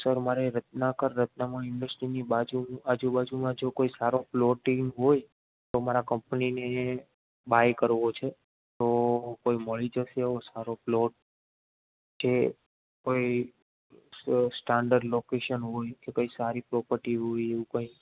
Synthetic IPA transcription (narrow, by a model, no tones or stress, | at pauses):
səɾmaɾeɾət̪nakəɾːət̪̚namãɪɳɖəsʈɾinibad͡ʒuad͡ʒubad͡ʒumãd͡ʒokoisaɾoplɔʈiŋɦoj | t̪omaɾakəmpnine | bajkəɾʋot͡ʃʰe | t̪okoiməɭid͡ʒəʃeosaɾoploʈ̚ | t͡ʃe | koi | sʈaɳɖəɾɖlokeʃənɦojkekoisaɾipɾɔpəɾʈiɦojeʋũkə̃i